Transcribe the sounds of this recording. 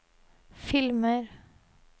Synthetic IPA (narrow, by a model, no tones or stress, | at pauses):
fɪlməɾ